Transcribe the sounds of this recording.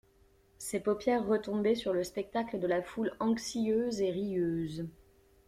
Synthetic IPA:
sepɔpjɛʁːət̪ɔ̃bɛsyʁləspɛk̚t̪akləd̪əlafulɑ̃ksiøzeʁijøːz

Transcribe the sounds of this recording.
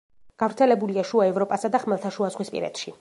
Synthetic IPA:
ɡ̥avɾt̪sʰɛlɛbuliaʃuaɛvɾɔpʼasad̪aχmɛlˠt̪ʰaʃuazʁwispʼḭɾɛ̰t̪ʃi

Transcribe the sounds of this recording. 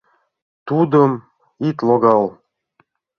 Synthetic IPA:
t̪ud̪əm | ik̪loɡɑl

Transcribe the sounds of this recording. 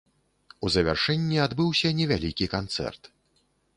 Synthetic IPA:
uzɐvʲa̰rʂɛnʲːiad̪bɨwsʲɐnʲɛvʲalʲikʲikant̪sɛ̰rt̪

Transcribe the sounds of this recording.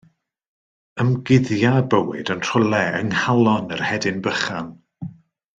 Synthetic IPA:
əmɡɪðjabəwɨ̰dənr̥ʊlˠɛəŋhalˠɔnərhɛdɪnbəχan

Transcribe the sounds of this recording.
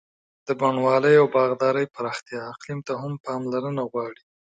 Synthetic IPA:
d̪̥əbaɳwɑləjawbɑɣd̪ɑɾəjpaɾɑxt̪jɑːqlimt̪aɦampɑmlaɾənaɣwɑɽi

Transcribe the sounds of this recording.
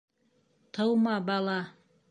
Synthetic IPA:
t̪ʰɤwmɑbɑlˠɑ

